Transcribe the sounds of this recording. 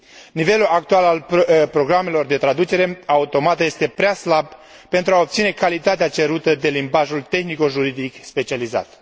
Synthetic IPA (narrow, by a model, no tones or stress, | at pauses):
nive̞luak̚t̪ualalpɾo̞ɡɾame̞lo̞rd̪e̞t̪ɾad̪ut͡ʃe̞ɾe̞aut̪o̞mat̪əje̞st̪e̞pɾeaslab | pe̞nt̪ɾuaob̪̚sine̞kalit̪at̪eat͡ʃe̞ɾut̪əd̪e̞limbaʒult̪e̞xniko̞ʒuɾid̪ikspe̞t͡ʃializa̰t̪